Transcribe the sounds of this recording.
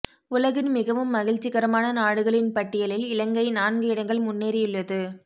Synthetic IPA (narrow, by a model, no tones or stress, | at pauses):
ʊlɐɣɪnmɪɣɐʋɯmːɐɣɪɻt͡ʃːɪɣɐɾɐmaːnɐnaːɽɯɣɐɭɪnpɐʈːɪjɐlɪlɪlɐŋɡɐɪnaːnɡɯɪɽɐŋɡɐɭmʊnːeːɾɪjɪɭːɐðɯ